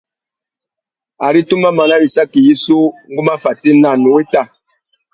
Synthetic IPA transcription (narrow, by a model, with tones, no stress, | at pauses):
a˨ɾi˦tu˦ma˦ma˨na˦ɾi˨sa˦ki˨ji˦so˦ŋɡu˦ma˦fa˨te˦na˦˨no˨we˦ta˦˨